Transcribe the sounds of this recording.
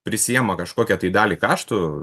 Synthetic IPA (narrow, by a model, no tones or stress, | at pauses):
pʲɾʲɪsʲɪjɛmɐkɐʃkoːkʲɛt̪ɐɪd̪ɑːlʲiːkɑːʃt̪ʊ